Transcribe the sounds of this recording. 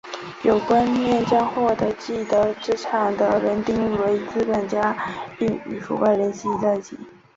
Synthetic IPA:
jo˨˩ʊkwa˥nmjɛ˥˩nt͡ɕjɑ˥ŋxwɔ˥˩d̪ɤ˧˥t͡ɕi˥˩d̪ə˧˥ʈ͡ʂɻ̩˥ʈ͡ʂʰɑ˨˥˩ŋd̪ə˧ɻə˧˥nt̪i˥˧ŋɻu˥˩we˧˥ɪt͡sɹ̩˥ka˨˩nt͡ɕja˥i˥˩ŋy̰˨˩fṵ˧˥pa˥˩ɪljɛ˧˥nɕi˥˩i˧˥t̪a˥˩ɪt͡ɕḭ˧˥˦

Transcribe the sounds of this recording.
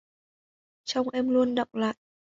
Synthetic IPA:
t͡ɕa˧wŋ͡mʔɛ˧mlu˧ənɗɔ̰˧˨wŋ͡mla̰ː˧˨j

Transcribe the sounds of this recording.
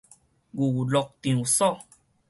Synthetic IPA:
ɡu˨wu˨lɔ˧k̚t̪ĩ˨u˨sɔ˦˨

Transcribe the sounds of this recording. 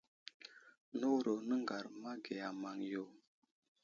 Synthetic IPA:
no˦ɾo˨nə˦ŋɡa˨ɾma˦ɡe˨ja˨ma˨ŋjo˨

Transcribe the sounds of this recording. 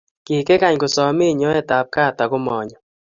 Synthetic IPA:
kɪ˨kɛ˦ka˦˨ɲkʊ˨sɔ˨mɪ˦˨ɲɔ˦ɛ˦˨ta˨p̚ka˦˨ta˨ɡʊ˦mɔ˨ɲɔ˨

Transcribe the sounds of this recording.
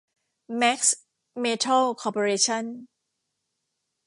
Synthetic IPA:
mɛ˦˥k̚s | meː˧t̪ʰa˥˩lkʰɔː˧pʰo˧ɾeː˧t͡ɕʰa˥˩n

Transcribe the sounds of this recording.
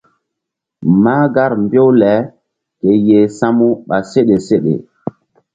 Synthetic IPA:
ma˦ɡa˦ɾmbo˦wlɛ˨˦ | ke˨je˨sa˦mu˦ɓa˨se˦ɗe˨se˦ɗḛ˨

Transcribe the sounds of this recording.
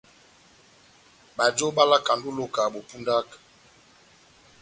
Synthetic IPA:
ɓa˨d͡ʒo˦ɓa˦la˦ka˨ndu˦lo˦ka˨ɓo˨pu˦nda˦k

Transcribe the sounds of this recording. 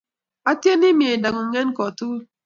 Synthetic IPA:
a˦tje˦ni˦mi˦˨e˨da˨ŋu˨ŋ˨˦ŋe˦n˦kɔ˨tu˦

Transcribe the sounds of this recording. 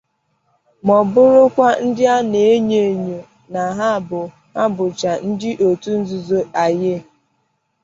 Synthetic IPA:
mɔ˨bʊ˦ɾʊ˦kʷa˦n̩˦dɪ˦a˦ne˨e˦ɲe˨ɲo˨ | na˨ɦa˦˨bʊ˨ | a˦bʊ˨t͡ʃa˨n̩˦dɪ˦ʔo˨tu˦n̩˦zu˨zo˦a˨je˦˨

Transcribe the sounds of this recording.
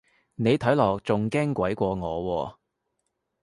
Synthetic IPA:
ne˨˧jt̪ʰɐ˨˥jlɔː˨˩k̚t͡sʊ˨ŋkɛː˥ŋkʷɐ˨˥jkʷɔː˧ŋɔː˨˧wɔː˧

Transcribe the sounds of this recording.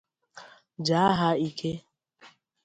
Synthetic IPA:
d͡ʒa˨˦a˦ɦa˦i˦kʰe˦

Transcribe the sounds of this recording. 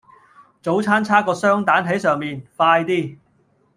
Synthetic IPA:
t͡so˨˥wt͡sʰaː˥nt͡sʰaː˥kɔː˧sœː˥ŋt̪aː˨˥nɦe˨˥sœː˨ŋmiː˨˧nfaː˧jt̪iː˥˩

